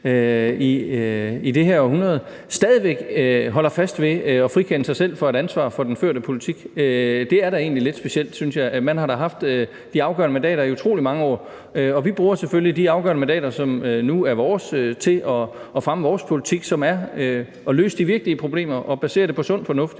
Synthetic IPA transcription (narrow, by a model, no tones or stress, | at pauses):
øi | id̥e̝ɦæɐhunɐð̞̩ˠ | sd̥ɛːð̞ˠiʋeɡ̥ɦɒ̽l̰ɐfæsd̥ʋe̝ɒ̽fʁikʰenəsɑ̈ɪsel̰fɒ̽æɾ̥ænsʋɑ̰̈ːfɒ̽d̥enfø̰ɐ̰ɾəpʰo̝lit͡sʰiɡ̥ød̥e̝æɐɾæe̝̰ːnlile̝d̥sb̥e̝ɕel̰d̥synsjɑ̈ɪmænhɑ̈ɾ̥ɑ̈ɦɑ̈fd̥ | d̥iɑ̈ʊɡ̥ɶɐnəmænd̥ɛ̰ːɾɐiut͡sʰʁo̝ːlimɑ̈ŋəɒ̰ː | øɒ̽ʋib̥ʁuːɐseføllid̥iɑ̈ʊɡ̥ɶɐnəmænd̥ɛ̰ːɾ̥ɐsɒ̽mønuæɐʋɒːsøt͡sʰe̝lʔɒ̽ɒ̽fʁaməʋɒːspʰo̝lit͡sʰiɡ̥sɒ̽mæɐø | ɒ̽lø̰ːsəd̥iʋiɐɡ̥liəpʰʁo̝b̥le̝̰ːmɐʔɒ̽b̥æse̝̰ɐdɾe̝pʰɒ̽sɔ̽n̰fɒ̽nɔ̽fd̥